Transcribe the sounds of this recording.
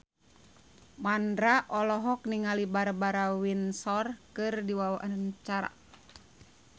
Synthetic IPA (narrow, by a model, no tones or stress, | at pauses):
mandɾaʔɔlɔɦɔk̚niŋalibaɾbaɾawinsɔrkɨrdiwawaʔant͡ʃaɾa̰